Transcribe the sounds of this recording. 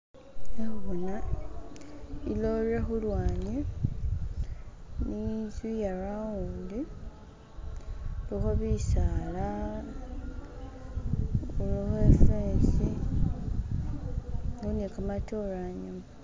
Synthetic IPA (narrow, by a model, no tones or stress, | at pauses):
euna | iloɾexulwaːɲe | nizijarawundi | luxoβisala | uluxefeːsi | ɡunikamatoɾaɲom